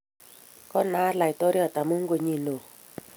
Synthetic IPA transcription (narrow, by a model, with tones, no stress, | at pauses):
kɔ˦na˦la˨jtɔ˦ɾja˨t̪a˨mo˦ŋ˦ɡo˨ɲi˨no˨